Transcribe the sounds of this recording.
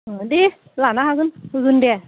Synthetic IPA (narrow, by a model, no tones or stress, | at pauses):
ɗi | laːnahaɣɯnhɣɯndɛ